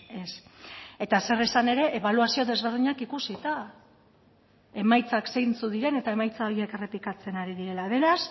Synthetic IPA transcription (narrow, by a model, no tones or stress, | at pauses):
e̞se̞t̪ase̞resane̞ɾe̞ʔeβ̞aluasio̞ðe̞zβe̞ɾðiɲakikusit̪a | e̞majt͡sakse̞jnt͡suðiɾe̞ne̞t̪ae̞majt͡sao̞ɾie̞ke̞re̞plikat͡se̞naɾiðiɾe̞laβe̞ɾas